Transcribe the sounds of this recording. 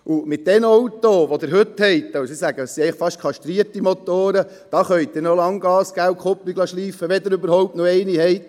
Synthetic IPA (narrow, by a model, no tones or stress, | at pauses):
ʔumɪt̚d̥ɛnɔwt̪oʋod̪ɪɾɦɵt̪hɛɪtd̥̪ɑwsisæɡəəsiɛɪləχfɑʃkʰɑʃt̪ɾiətimot̪oːɾə | d̥ɑχœʏttd̥̪enolɑŋɡ̥ɑːsɡ̥æwkʰopːiɡlɑʃliːfəʋɛd̪ɪɾøbəɾhɔwp̚tnoɛɪniɦɛɪt̪